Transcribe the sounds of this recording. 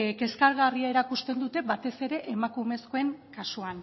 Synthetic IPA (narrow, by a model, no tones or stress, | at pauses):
ke̞skaɾɣariae̞ɾakust̪e̞nd̪ut̪e̞βat̪e̞se̞ɾe̞ʔemakume̞sko̞e̞ŋkasuan